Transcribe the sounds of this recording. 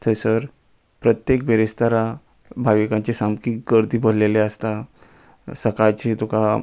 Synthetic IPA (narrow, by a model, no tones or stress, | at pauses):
t̪ʰəjsəɾ | pɾət̪jekbeɾist̪əɾa | bʱaʋikãɲt͡ɕesamkiːk̚ɡəɾt̪iːbəɾleleəst̪a | səkajt͡ɕit̪ʰuka